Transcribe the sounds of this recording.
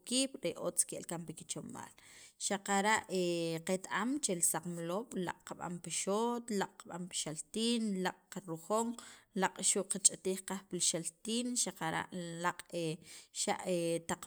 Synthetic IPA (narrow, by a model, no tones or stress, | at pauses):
kiːɓ̥ɾeʔot͡skeʔlkampiki̥t͡ʃoma̰ːlʃaqaɾaʔeqet̪aʔamt͡ʃelisaqmloːɓ̥la̰qʼqaɓa̰mpiʃot̪laqʼqaɓampi̥ʃalt̪iːnlaqʼqaɾuχoːŋlaqʼʃuʔqat͡ʃʼat̪iːχqaχpilʃalt̪iːnʃaqaɾa̰ʔlaqʼeʃa̰ʔet̪aq͡χ